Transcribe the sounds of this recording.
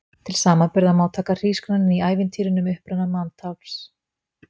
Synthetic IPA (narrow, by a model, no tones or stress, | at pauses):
t̪ʰɪlsaːmapɪɾðamaːwt̪ʰaːkar̥iːsknanɪniaːjvɪnt̪ʰiːɾɪnʏmʏhpɾanamant̪ʰawls